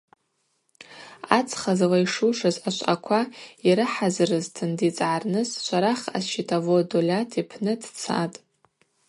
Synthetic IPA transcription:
at͡sʰʼχazlaiʂuʂazaʃʷʼakʷʰaiɾɨħazrɨztʰɨndit͡sʼʕarnɨsʃʷaɾaχa̰sʃitʰavodolʲatʰipʰnɨdt͡sʰa̰tʼ

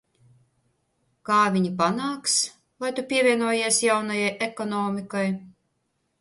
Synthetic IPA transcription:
kaːvʲiɲʲipanaːks | vajt̪upʲiɛvʲiɛnuɔjeɛsjawnajajʔekɔnɔːmʲikaj

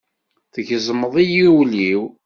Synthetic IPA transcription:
θəʝəzˤməðˤijiwliw

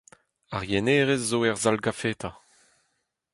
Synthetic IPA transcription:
aʁjɛneːʁezːoɛʁzalɡafeːt̪a

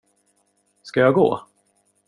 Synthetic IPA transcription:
skajɑɡo̰ː

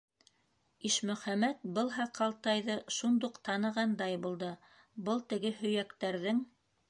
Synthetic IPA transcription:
iʃmɵ̆χæmæt̪̚bɤ̆lˠɦɑqʰɑlˠt̪ɑjðɤʃund̪uqt̪ɑnɤ̆ʁɑnd̪ɑjbulˠd̪ɤ | bɤlˠt̪ɘ̆ɡɘhɵ̆jækt̪æɾðɘŋ

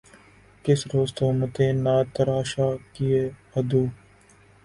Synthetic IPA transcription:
kɪsɾoːst̪oːmət̪ẽːnaːt̪əɾaːʃaːkijeːɐd̪uː

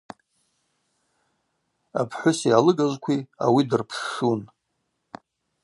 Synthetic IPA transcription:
apʰħʷʊsjalɨɡazʷkʷʰia̰widɨrpʰʂun

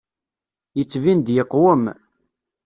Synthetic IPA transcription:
jət͡sːvind̪jəqːwəm

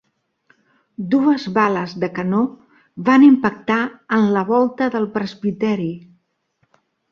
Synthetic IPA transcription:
d̪uəzβaləzðəkəno | βanimpək̚t̪aənləβ̞ɔlˠt̪əðəlˠpɾəzβit̪ɛɾi

